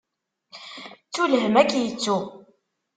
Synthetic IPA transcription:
t͡sːulɦəmækːjət͡sːu

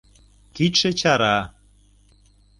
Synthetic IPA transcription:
kit̪ʃĕt͡ɕɑɾɑ

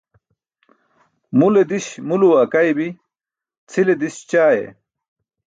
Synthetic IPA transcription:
muled̪iɕmuluwakajbi | t͡sʰiled̪iɕt͡ɕaːjḛ

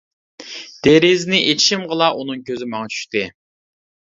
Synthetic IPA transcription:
d̪̥eɾɪznɪʔet͡ʃʰi̥ʃimʁəlˠɑʔunɨŋkʲʰøzɪmɑŋɑt͡ʃʰy̥ʃt̪ɪ

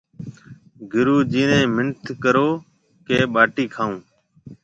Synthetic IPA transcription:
ɡʱɪɾuːd͡ʒiːnẽːmɪɳt̪ʰkəɾoː | keːɓaːʈiːkʰãːũː

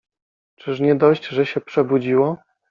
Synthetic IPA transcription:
t͡ʂɘʂɲɛd̪ɔɕd͡ʑʐɛɕɛpʂɛbud͡ʑiwɔ

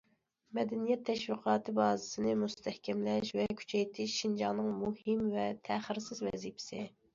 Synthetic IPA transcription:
mɛd̪ɛnijɛt̪ʰːɛʃwiqʰɑːt̪ʰɨbɑːzɨsɨnɨmust̪ʰɛhkʲʰɛmlɛʃvɛkʲʰy̥t͡ʃʰɛjt̪ʰɪʃːind͡ʒɑnɨŋmuhɪmvɛt̪ʰæχɪɾsɪzvɛ̰zipʰɪ̥sɪ

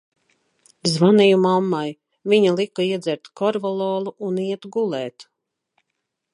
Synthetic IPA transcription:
zvanijumamːaj | viɲalˠikaiɛd̪zʲɛɾt̪kɔɾvɔlˠɔːlˠuʔuniɛt̪ɡulˠɛːt̪

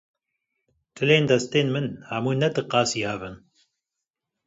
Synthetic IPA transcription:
t̪ʰɨleːnd̪ɐst̪eːnmɨnhamuːnɐt̪ɨqɑːsihavɨn

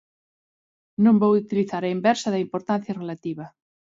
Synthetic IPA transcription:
nõmbowut̪iliθaɾaimbɛɾsaðɐimpoɾt̪an̟θjarelat̪iβɐ

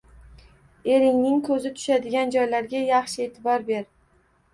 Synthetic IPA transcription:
e̞ɾɪŋnɪŋkʰɵzɪt̪ʰʊ̥ʃad̪ɪɡʲand͡ʒɒjlaɾɡʲajɑχʃɪe̞ːt̪ʰɪbɒɾbe̞ɾ

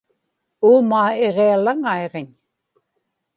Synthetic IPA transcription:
uːmaːeʁealaŋaeʁeɲ

